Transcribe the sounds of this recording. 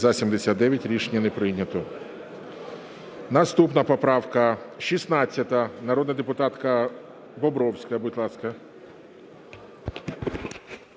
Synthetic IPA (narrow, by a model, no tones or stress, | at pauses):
zɐsʲimd̪esʲad̪̚d̪ɛʋʲjɐtʲɾʲiʃnʲɐnepɾɪnʲːɐt̪ɔ | nɐst̪upnɐpɔpɾɑwkɐʃisnɑt͡sʲːɐt̪ɐnɐɾɔd̪nɐd̪epʊt̪ɑt̪kɐ | bɔbɾɔwsʲkɐjɐbʊtʲlˠɑskɐ